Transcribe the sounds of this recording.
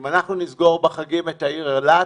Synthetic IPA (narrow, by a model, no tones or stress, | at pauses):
manaχnunizɡo̞ʁbeχaɡimetaiʁeʁla